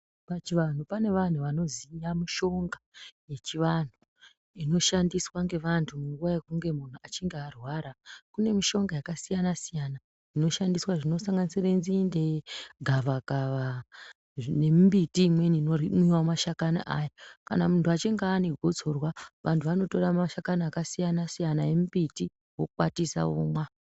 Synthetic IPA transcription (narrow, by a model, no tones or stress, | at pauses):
pat͡ʃiʋan̤upane̞ʋan̤uʋano̞zijamiʃo̞ŋɡaje̞t͡ʃiʋan̤u | ino̞ʃandiswaŋɡe̞ʋantʰumuŋɡuʋaje̞kuŋɡe̞mun̤uat͡ʃiŋɡearwaɾakune̞miʃo̞ŋɡajakasijanasijana | ino̞ʃandiswaʐino̞saŋɡanisirenzinde̞ɡʱaʋaɡʱaʋa | ne̞mmbitiːmwe̞ninoimiwamaʃakana̰ʔajakanamuntʰuat͡ʃeŋɡaːneɡʱo̞d͡zo̞rwaʋantʰuʋano̞to̞ramaʃakanaːkasijanasijanajemubiti | wokukwatisa̰ṵːmwa